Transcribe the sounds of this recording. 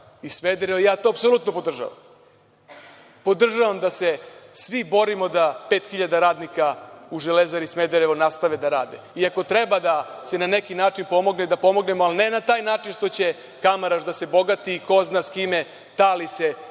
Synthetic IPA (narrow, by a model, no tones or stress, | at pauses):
ismed̪eɾeʋojaːt̪oapsolˠuːt̪no̞pod̪r̩ʒa̰ʋa̰m | po̞d̪r̩ʒaʋamd̪ase̞sʋibo̞ɾimo̞d̪apeːt̪xiʎad̪aɾaːd̪nikauʒelezaɾismed̪eɾeʋonast̪aʋed̪aɾaːd̪eiako̞t̪ɾebad̪asenane̞kinaːt͡ʂinpo̞mo̞ɡned̪apo̞mo̞ɡne̞moaline̞nat̪aːjnaːt͡ʃinʂt̪o̞t͡ɕe̞ | kamaɾaʒd̪ase̞bo̞ɡat̪iːkoznaskime̞ | t̪alise̞